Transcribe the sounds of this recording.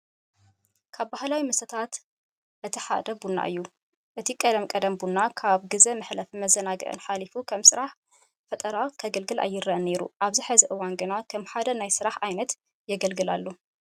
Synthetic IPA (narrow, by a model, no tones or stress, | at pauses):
kʰaβbahlawimɐsɐt̪ʰat̪ | ʔɨt̪ʰiħa̰d̪ɐbunːa̰ʔɨ̰jːu | ʔɨt̪ʰikʼɐd̪ɐmkʼɐd̪ɐmbunːakʰaβɡɨzɐmɨħlɐfimɐzːɐnaɡɨ̰ʔɨ̰nħalifukʰɐmsɨɾaħ | fɐt̪ʼɐɾakʰɐɡɨlɡɨlʔa̰jːɪrɐʔne̞ɾṵʔaβziħɨzɐʔɨwanɡɨnakʰɐmħad̪ɐnajsɨɾaħajnɐt̪ | jɛɡɐlɡɨlalːo